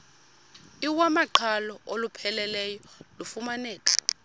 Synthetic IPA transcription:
iwamaǃʰalɔʔolupʰɛlɛlɛjɔlufumanɛːk̬ʼḁ

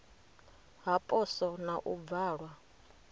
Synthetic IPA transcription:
ɦapʼɔsɔnaʔub̪vaːɺwa

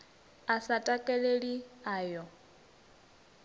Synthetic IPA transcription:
asatʼakʼɛleɺiaːjɔ

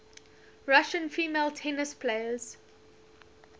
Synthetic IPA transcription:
ɹaʃə̃nfiːmeɪltʰɛnəspʰleɪəz̥

